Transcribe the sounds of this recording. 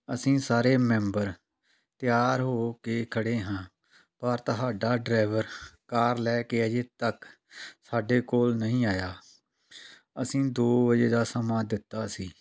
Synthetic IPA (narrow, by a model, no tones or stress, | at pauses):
əsĩːsaːɾeːmɛ̃ːmbəɾ | t̪ɪjaːɾɦoːkeːkʰəɽeːɦãː | pəɾt̪əɦaːɖaːɖɾaːɪʋəɾkaːɾlɛːkeːəd͡ʒeːt̪ək | saːɖeːkoːlnəɦĩːaːjaː | əsĩːd̪oːʋəd͡ʒeːd̪aːsəmãːd̪ɪt̪ːaːsiː